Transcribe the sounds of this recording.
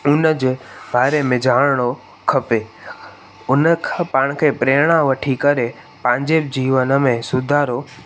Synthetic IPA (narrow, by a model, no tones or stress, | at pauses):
ʊnəd͡ʑeːbaːɾemẽd͡ʑʱaːɽɽ̃o | kʰɐpeː | ʊnəkʰpãːɽ̃kʰeːpɾeːɽ̃ãʋɐʈʰikɐɾe | pãːɲd͡ʑeːb̚d͡ʑiːʋənəmẽsʊd̪ʱaːɾo